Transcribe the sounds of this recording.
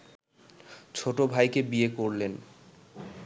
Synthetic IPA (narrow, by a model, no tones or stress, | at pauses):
t͡ɕʰoʈobʱajkebiekoɾlen